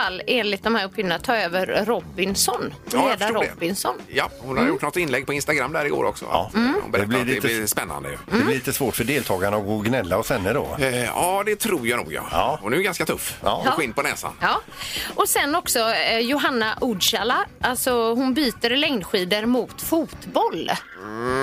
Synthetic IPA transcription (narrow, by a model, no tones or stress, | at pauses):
alːeːnlɪt̪d̪ɔmhæːɾɵpʰːɪvnənat̪ʰɑːøːvəɾɾɔbːɪnsɔnːɾeːdfaɾɔɛbɪnsɔnjahʊ̰nhad̪jʊʈːnɔt̪ːɪnlɛɡ̚pɔɪnst̪aɡɾamːd̪æːɾɪɡo̰ːɾʔɔ̰ksɔ̰hʊ̰nbɛɾɛblɪliɛɪspɛnːa̰nd̪ə̰jɵ̰ɛlɪliːt̪əsvoːʈfœɖeːlt̪ʰɑːɡaɳaɔɡoːɡnɛlːaɔsɛnːədɔ̰ːɑːd̪ɛt̪ʰɾuːɾjanṵːɡjɑ̰hʊnɛɡanskat̪ʰɵfːɧɪnpɔnɛ̰ːsa̰nɑː | ʔɔsɛnːɔksɔjʊɦanːaʔʊd̪ʂalaʔalt̪sɔɦʊnbyːt̪əɾlɛŋnɧiːd̪əɾmʊːt̪fuːt̪bɔl